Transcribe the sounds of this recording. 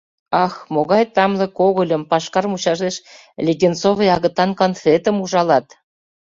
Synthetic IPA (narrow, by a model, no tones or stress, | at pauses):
ɑxmoɣɑjt̪ɑmlɤ̆koɣə̆lʲə̆mpɑʃkɑrmut͡ɕɑʒeʃ | lʲeɡʲent͡sovejɑɣə̆t̪ɑnkonfet̪ə̆muʒɑlɑt̪